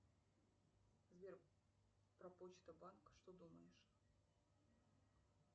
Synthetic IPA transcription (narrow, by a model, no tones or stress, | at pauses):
zvʲer | pɾɐpot͡ɕt̪əbankʂt̪od̪uməjɪʂ